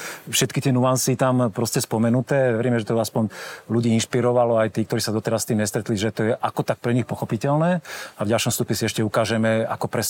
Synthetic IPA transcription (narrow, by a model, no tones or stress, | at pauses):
fʃɛt̪kit̪ɪɛnuansit̪ampɾɔscɛspɔmɛnut̪ɛːʋɛɾiːmɛʒɛt̪ɔaspɔɲluɟiːinʃpiɾɔʋalɔajt̪iːk̚t̪ɔɾiːsad̪ɔt̪ɛɾasst̪iːmɲɛst̪ɾɛt̪liʒɛt̪ɔjɛʔakɔt̪ak̚pɾɛɲixpɔxɔpicɛlnɛːavɟalʃɔmst̪upɲɛsiɛʃcɛukaːʒɛmɛa̰kɔpɾɛs